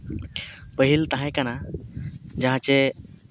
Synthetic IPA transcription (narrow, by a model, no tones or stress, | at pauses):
pəɦilt̪aɦãkana | d͡ʒaɦãt͡ɕe